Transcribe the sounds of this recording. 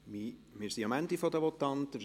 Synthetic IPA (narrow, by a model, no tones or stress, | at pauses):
mimɪɾsiɑmænd̪ifod̪əʋɔt̪ːɑnt̪əf